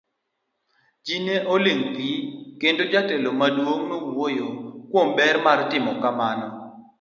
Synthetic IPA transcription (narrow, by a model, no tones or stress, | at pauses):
d͡ʒineʔolɪŋɡikendod͡ʒatelomadwoŋnoɡwojokwombɛɾmartɪmɔkamanɔ